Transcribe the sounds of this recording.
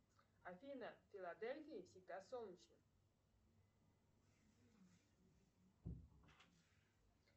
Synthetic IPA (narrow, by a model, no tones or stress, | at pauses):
afʲinəfʲɪlˠad̪elʲfʲiɪfsʲɪɡd̪asolˠnʲɪt͡ɕnə